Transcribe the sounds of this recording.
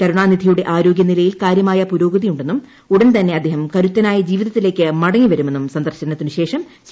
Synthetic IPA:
kɐɾuɳaːnid̪ʱijuɽe̞ʔaːɾo̞ːɡjɐnilɐjilkaːɾjɐmaːjɐpuɾo̞ːɡɐðijuɳɖe̞nːum | uɽɐnt̪ɐnːe̞ɐd̪ʱːeːɦɐmkɐɾut̪ːɐnaːjɐd͡ʑiːʋiðɐt̪ːile̞ːkːɨmɐɽɐŋːiʋɐɾume̞nːumsɐnd̪ɐrɕɐnɐt̪ːinɨɕe̞ːʂɐm | s

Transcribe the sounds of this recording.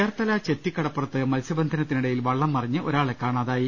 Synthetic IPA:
eːrt̪ɐlɐt͡ɕe̞t̪ːikːɐɽɐpːrɐt̪ːɨmɐlsɐbɐnd̪ʱɐnɐt̪ːiniɽejilʋɐɭːɐmːɐrɐɲːɨʔo̞ɾaːɭekːaːɳaːðaːji

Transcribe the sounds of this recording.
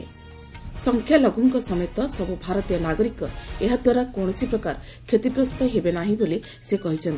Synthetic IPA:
sɔŋkʰjalɔɡuŋkɔsɔmɔt̪ɔsɔbubʱaɾɔt̪ijɔnaɡɔɾikɔeɦad̪waɾakoɽ̃ɔsipɾɔkaɾ | kʰjet̪ibɾɔst̪ɔɦebenaɦĩbole | sekɔɦit͡ʃʰɔnt̪i

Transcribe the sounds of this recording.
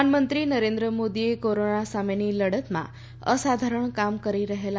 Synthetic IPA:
nmənt̪ɾinəɾẽnd̪ɾəmod̪iekoɾoɳasameniləɽət̪mã̰ | ə̰sad̪ʱaɾəɳkamkəɾiɾəɦela

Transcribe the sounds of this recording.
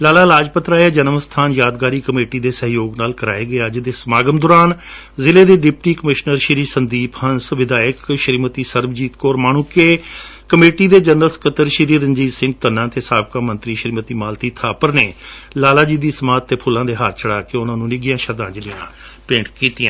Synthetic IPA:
laːlaːlaːd͡ʒpət̪ɾaːjeːd͡ʒənəmst̪ʰaːnjaːd̪ɡaːɾiːkəmeːʈiːd̪eːsəɦjoːɡnaːlkəɾa̰ːeːɡɪaːd͡ʒɪd̪eːsmaːɡəmd̪oːɾaːn | zɪleːd̪eːɖɪp̚ʈiːkəmɪʃnəɾʃɪɾiːsənd̪iːpʰhənsʋɪd̪aːjəkʃəɾiːmət̪iːsəɾbd͡ʒiːt̪koːɾmaːɳʊkːeːkəmeːʈiːd̪eːd͡ʒənəlskət̪əɾʃɪɾiːɾəɲd͡ʒiːd͡ʒsɪ̃ŋɡ̚t̪ənːãːt̪eːsaːb̚kaːmə̃nt̪ɾiːʃɾiːmət̪iːmaːlt̪iːt̪ʰaːpəɾneːlaːlaːd͡ʒiːd̪iːsəmaːd̪̚t̪ːeːpʰʊlːãːd̪eːɦaːɾt͡ʃʰəɽaːkeːʊnãːnũːnɪɡɪjãːʃəɾd̪ãːd͡ʒɪlijã̰ː | pɪ̃ːɳʈkiːt̪ijãː

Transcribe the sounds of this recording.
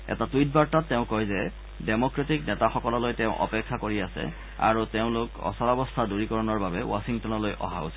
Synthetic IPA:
ɛ̰tatuit̚baɹtatːeʊ̃kɔjzɛ | demokɹetiknɛtaxɔkɔlɔlojteʊ̃ʔɔ̰pɛkʰːakoɹiasɛ̰ | a̰ɹuteʊ̃lʊkɔ̰salabɔstʰaduɹikɔɹɔnɔɹbabɛwa̰siŋtɔnɔlojʔɔ̰ɦa̰ṵsɛ

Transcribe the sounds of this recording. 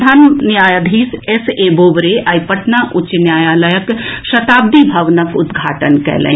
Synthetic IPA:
d̪ʱaːnnjaːjad̪ʱiːseseːboːʋɾeʔɐjpɐʈnaːʔʊt͡ʃːnjaːjaːlɐjəkʃɐt̪aːb̚d̪ibʱɐʋnɐkʊd̪ɡʱa̰ːʈənkɛ̰ːlḛ̃

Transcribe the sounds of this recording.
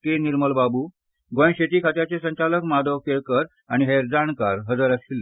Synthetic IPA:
t̪eniɾməlbabuː | ɡõj̃ɕet̪iːkʰat̪jat͡ɕesə̃ɲt͡ɕaləkmad̪ʱəkeɭkəɾ | aɽ̃iɦeɾd͡zaɳkaɾɦəd͡zəɾəsilː

